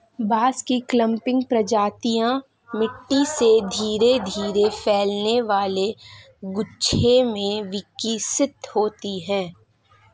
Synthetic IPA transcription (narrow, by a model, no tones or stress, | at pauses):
baːskiklə̃mpɪ̃ŋɡpɾəd͡ʒaːt̪ijã | mɪʈːised̪ʱiːɾed̪ʱiːɾefɛːlneʋaːle | ɡʊʃʰemẽʋɪkːisɪt̪hoːt̪iɦɛ̃ː